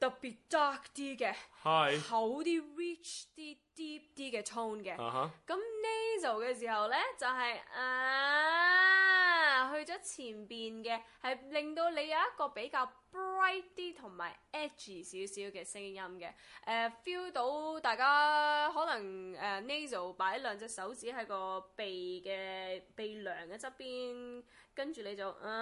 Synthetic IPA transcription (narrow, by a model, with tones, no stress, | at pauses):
t̪ɐ˨k̚piː˨t̚t̪aː˥k̚t̪iː˥kɛ˧hɐ˨jhɐ˨˥wt̪iː˥ɹiː˥t͡ʃt̪iː˥t̪iː˥p̚t̪iː˥kɛː˧t̪ʰo˥nkɛ˧˨˦kɐ˨˦˥mne˥jz̬o˨˩wkɛː˧s̬iː˨˩ɦɐ˨wlɛː˥t͡sɐ˨wɦɐ˨jɛ˨ | ɦɵ˧ɥt͡sɔː˨˥t͡sʰiː˨˩npiː˨nkɛː˧hɐ˨jle˨˩ŋt̪o˧wle˨˧jɐ˨wjɐ˥t̚kɔː˧pe˨˥jkaː˧wpɹɐ˥jt̪iː˥t̪ʰʊ˨˩ŋma̰ː˨˩jɛː˥t̚t͡ʃiː˨˩siː˨˥wsiː˨˥wkɛː˧sɪ˥ŋjɐ˥mkɛ̰˧ʔɛ˧fiː˥wt̪o˨˥wt̪aː˨jkaː˥ɦɔː˨˥nɐ˨˩ŋɛ˧ne˥jz̬o˨˩wpaː˨˥jlœː˨˧ŋt͡sɛː˧sɐ˨˥wt͡siː˨˥ɦɐ˨˥jkɔː˧pe˨jkɛː˧pe˨˩jlœː˨˩ŋkɛ˧t͡sɐ˥t̚piː˥nkɐ˥nt͡ʃyː˨ne˨˧jt͡sɐ˨wʔ̩˨˩